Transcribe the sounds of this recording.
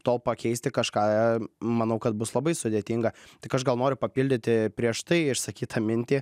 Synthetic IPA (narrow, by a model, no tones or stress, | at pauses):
t̪oːlˠpɐkʲɛɪsʲt̪ʲɪkɐʃkɑːmɐnɐʊkɐt̪̚bʊslˠɐbɐɪsʊd̪ʲeːt̪ʲiŋɡɐt̪ɪkɐʒɡɐlˠnoːɾʲʊpɐpʲilʲd̪ʲɪt̪ʲɪpʲɾʲiɛʃt̪ɐɪɪʃsɐkʲiːt̪ʰɐmʲɪnʲt̪ʲiː